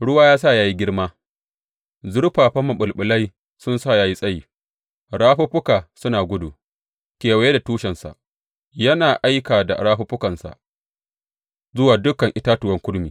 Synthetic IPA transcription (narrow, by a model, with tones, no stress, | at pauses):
ɽʊ˦waː˦jaː˦s̬a˦˨jaː˦ji˦ɡʲɪ˦ɽmaː˦ | zʊ˦ɽɸaː˨ɸɐ˦mːɐ˨ɓʊ˨lɓʊ˨lɐ˦j | sʊ˦nsa˦˨jaː˦ji˦sʼɐ˦jiː˨ | ɽaː˦ɸu˦ɸʊ˦kaː˨sʊ˦naː˨ɡʷʊ˦dṵ˨ | kʲeː˨wa˨je˦da˨tuː˦ʃɛ˨nsa̰˨ʔ | jɐ˦naː˨ʔa˦jkaː˨da˨ɽaː˦ɸu˦ɸʊ˦kɐ˨nsa̰˨ʔ | zʊ˦waː˨dʊ˦kɐ˨ŋʔɪ˦taː˦tʊ˨wɐ˦ŋkʷʊ˦ɽmiː˨